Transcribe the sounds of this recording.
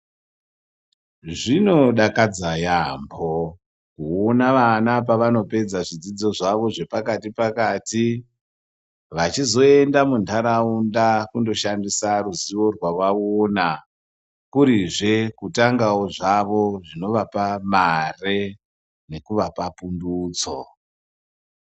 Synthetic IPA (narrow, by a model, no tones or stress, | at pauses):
ʐino̞ɗakad͡zajambo | kuonaʋanap̬aʋano̞pe̞d͡zaʐid͡zid͡zo̞ʐaʋo̞ʐe̞pakatipakati | ʋat͡ʃizo̞e̞ndamundʰaɾaundakundo̞ʃandisaruziʋo̞rwarwaona | kuɾiʐe̞kutaŋɡaoʐaʋo̞ʐino̞ʋapamare | ne̞kuʋapapunduːt͡so